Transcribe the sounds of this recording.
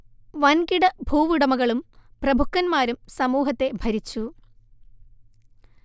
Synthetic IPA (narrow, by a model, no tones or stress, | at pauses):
ʋɐnkiɽɐbʱuːʋiɽɐmɐɣɐɭumprɐbʱukːɐnmaːɾumsɐmuːɦɐt̪ːe̞bʱɐɾit͡ɕːu